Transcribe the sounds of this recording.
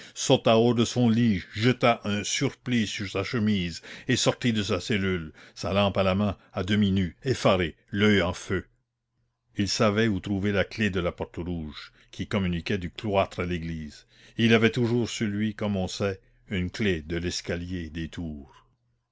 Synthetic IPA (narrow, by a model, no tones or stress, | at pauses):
sot̪aod̪əsɔ̃liʒət̪aʔɛ̃syʁplisyʁsaʃəmiːzesɔʁt̪id̪əs̬asɛlylsalɑ̃ːpalamɛ̃ | ad̪əminyefaɾe | lœɑ̃fø | ilsavɛut̪ɾuvelakled̪əlapɔʁt̪əʁuːʒ | kʲʰikɔmynikʲɛd̪yklwat̪ɾaleɡliːz | ilavɛt̪uʒuːʁsylɥikɔmɔ̃sɛ | ynkled̪əlɛskaljed̪et̪ʰuːʁ